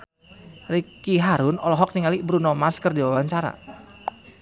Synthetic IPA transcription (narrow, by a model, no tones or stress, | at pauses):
rikiɦaɾʊnɔlɔɦɔk̚niŋalibɾunɔmaskərdiwawaɲt͡ʃaɾa̰